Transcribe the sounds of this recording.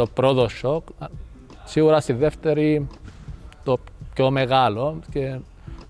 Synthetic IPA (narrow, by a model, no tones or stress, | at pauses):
o̞pɾoðoʃok | siɣuɾɐst̪iðe̞ft̪e̞ɾi | t̪opço̞me̞ɣɐlo̞ce